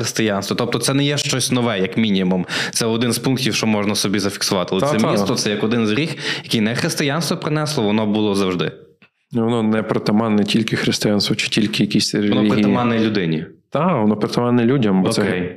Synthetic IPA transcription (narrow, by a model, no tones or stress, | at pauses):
ɾest̪ɪjɑnst̪ʋɔt̪ɔp̚t̪ɔt̪sɛnɛjɛʃt͡ʃɔsʲnɔʋɛjɐkmʲinʲimumt̪sɛɔd̪ɪnspunk̚tʲiwʃt͡ʃɔmɔʒnɐsɔbʲizɐfʲi̥ksʊʋɑt̪ɪɐlˠɛmisɔt̪sɛjɐkɔd̪ɪnzɾʲixjɐkʲijnɛxɾɪst̪ɪjanst̪ʋɔpɾɪnɛslˠɔʋɔnɔbulˠɔzɐwʒd̪ɪ̰ | ʋɔnɔnɛpɾɔt̪ɐmɑnɛtʲilʲkɪxɾest̪ɪjanst̪ʋɔt͡ʃɪ̥tʲilʲkɪjɐkʲisʲɾeɔnɔiɾetiɐmɑnːɛlʲʊd̪ɪnʲit̪aʋɔnɔpɾet̪ɐmɑnɛlʲudʲɐmbɔɔskɛj